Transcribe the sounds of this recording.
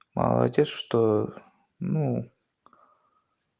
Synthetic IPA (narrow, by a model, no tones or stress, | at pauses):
mɐ̰lˠɐ̰dʲetsʂt̪o | nu